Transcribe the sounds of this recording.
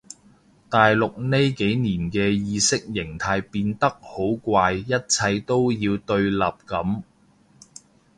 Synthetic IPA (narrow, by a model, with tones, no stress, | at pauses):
t̪aː˨jlʊ˨k̚ne˥jke˨˥jniː˨˩nkɛː˧jiː˨˧sɪ˥k̚jɪ˨˩ŋt̪ʰaː˧jpiː˧nt̪ɐ˥k̚ho˨˥wkʷaː˧jjɐ˥t̚t͡sʰɐ˧jt̪o˥wjiː˧wt̪ɵ˧ɥlaː˨p̚kɐ˨˥m